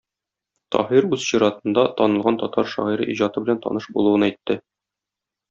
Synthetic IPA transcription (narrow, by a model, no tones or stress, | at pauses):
t̪ɒ̰hiɾʉz̥ɕiɾɑt̪ɤ̆nd̪ɑt̪ɒnɤ̆lˠʁɑnt̪ɒt̪ɑɾʃɒ̰ʁiɾɤ̰ʔiʑɑt̪ɤbɘ̆lænt̪ʰɒ̰nɤʃbulˠuwɤnæjt̪ːɘ